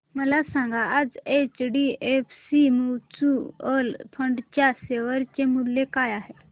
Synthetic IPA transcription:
məlasãŋɡaːd͡zet͡ɕɖiefsimut͡suəlpʰəɳɖt͡ɕjaseʋəɾt͡ɕemulːekajaɦe

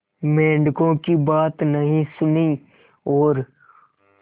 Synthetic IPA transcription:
mẽːɳɖkõkibaːt̪nəɦĩsʊniː | ɔːɾ

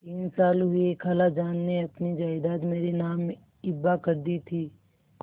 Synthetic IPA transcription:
t̪iːnsaːlɦʊiekʰɐlad͡ʒaːnːeɐpnid͡ʒaːɪd̪aːd̪meːɾenaːm | ɪbːakɐɾd̪it̪ʰiː

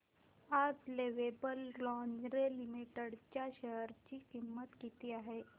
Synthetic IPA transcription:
ad͡ʑleʋebəllɔ̃ŋɡɾelimiʈəɽt͡ɕjaɕəɦəɾt͡ɕiːkimːət̪kit̪iaɦe

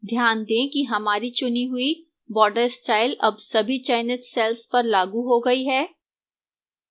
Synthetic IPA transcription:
d̪ʱjaːnd̪ẽːkiɦɐmaːɾit͡ʃʊniɦʊi | bɔːɖəɾsʈaːɪlɐ̰bsɐbʱit͡ʃaɪnɪt̪sɛlspɐɾlaːɡuɦoɡɐiɦɛː

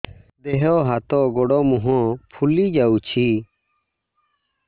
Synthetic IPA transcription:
d̪ɛɦɔɦat̪ɔɡɔɽɔmuɦɔ̃pʰulid͡ʒaut͡ʃʰi

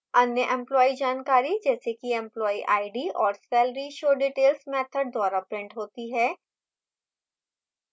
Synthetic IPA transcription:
ɐnjəʔɛ̃mplɔːid͡ʒaːnkaːɾid͡ʒɛːsekiɛ̃mplɔːiʔa̰ːɪɖiɔːɾsɛːlɾiʃoːɖiːʈeːlsmɛt̪ʰəɾd̪ɔːɾapɾɪ̃ɳʈɦoːt̪iɦɛː

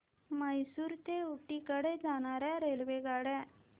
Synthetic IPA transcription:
məjsuːɾt̪euʈːikəɽed͡zaɽ̃aɾɛ̃ɾelʋeɡaɽɛ

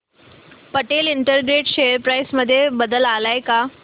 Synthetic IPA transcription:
pəʈeliɳʈəɾɡɾeʈɕejəɾpɾajsməd̪ʱːjebəd̪əlalajka

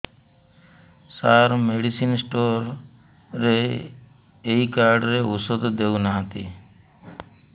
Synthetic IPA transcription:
saːɾmeːɖisiːnsʈoːɾː | eː | eiːkaːɾɖɾeːʊsod̪d̪eːunaːɦt̪ḭː

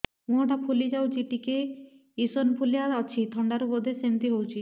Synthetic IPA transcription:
mũɦoʈapʰulid͡ʒawt͡ʃʰiʈike | isonpʰulijaat͡ʃʰit̪ʰɔɳɖaɾubɔd̪ʱesent̪iɦowt͡ʃʰi

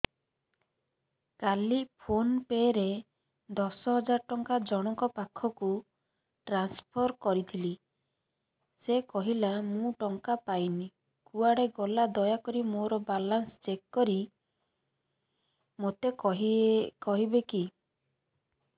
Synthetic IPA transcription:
kalipʰonpeɾe | d̪ɔsɔɦɔd͡ʒaɾɔʈɔŋkad͡ʒɔɽ̃ɔŋkɔpakʰɔku | ʈɾanspʰɔɾkɔɾit̪ʰili | sekɔɦilamũʈɔŋkapajni | kuaɽeɡɔlad̪ɔjakɔɾimoɾɔbalanst͡ʃekːɔɾi | mot̪eɔɦkɔɦibeki

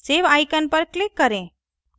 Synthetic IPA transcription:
sebajkənpəɾklikːəɾẽ

